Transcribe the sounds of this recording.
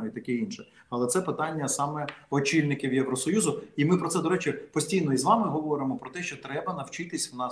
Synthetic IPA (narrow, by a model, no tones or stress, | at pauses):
it̪ɐkɛinʃɛ | ɐlˠɛt̪sɛpɪt̪ɑnʲːɐsɑmɛɔt͡ʃilʲnɪkʲɪwjeʋɾɔsɔjuzʊimɪpɾɔt̪sɛd̪ɔɾɛt͡ʃɪpɔsʲtʲijnɔizʋɑmɪɦɔʋɔɾɪmɔpɾɔt̪ɛʃt͡ʃɔt̪ɾɛbɐnɐwt͡ʃɪt̪ɪsʲwnɑ